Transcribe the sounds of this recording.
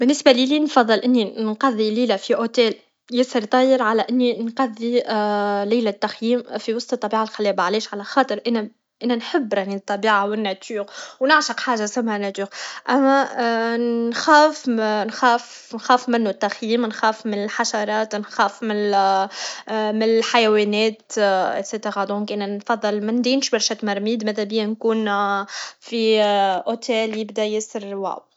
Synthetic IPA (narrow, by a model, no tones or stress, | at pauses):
bɪnːɪsbæliːliːnfɑðˤːɨlʔɪnːinqɑðˤːiliːlæfiʔot̪ɛːl | jɪsəɾt̪ˤɑːjəɾʕalæʔɪnːinqɑðːi | laːlæt̪ːaxjiːmfiwɑsˤt̪t̪ˤːɑbiːʕalxalːɛːbaʕliːʃʕalæxɑːt̪ˤɨɾʔɪnæ | ʔɪnːænħɪbːɾˤɑʕnit̪ˤːɑbiːʕawɪnːæt̪uːɣwnɪʕʃɑqħaːʒasæmːhænæt̪uːɣʔæmːæ | nxæːfnxaːf | nxæːfmɪnːut̪ːaxjiːmnxaːfmɪnɪlħaʃɑɾˤɑːt̪nxaːfmɪ | mɪnɪlħajwɛːnɛːt̪ɪ̰t̪set̪eɾɑd̪ɔ̃ːkʔɪnænfɑðˤːɨlmɪnd̪iːnʃbɑɾˤʃæt̪mɑɾˤmiːd̪mæt̪æbɪjænkuːn | fiʔot̪ʰɛːljɪb̚d̪æjɪsəɾwa̰ʕw